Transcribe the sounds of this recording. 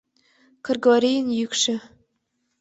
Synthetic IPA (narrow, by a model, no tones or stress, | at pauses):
kɤ̆rɡaɾʲijənjykʃɘ̆